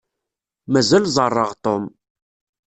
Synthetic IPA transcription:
mæzælzˤərˤːəʁt̪ˤom

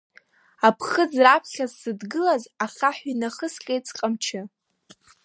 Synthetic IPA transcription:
apʰχəd͡zrapʰχʲazsɨdɡɨlazaχaħʷinaχəskʲʼejt͡sʰʼqʼamt͡ʃʰɪ

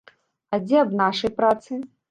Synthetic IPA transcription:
ad͡zʲɛɐbnaʂɐjpɾat̪sɨ

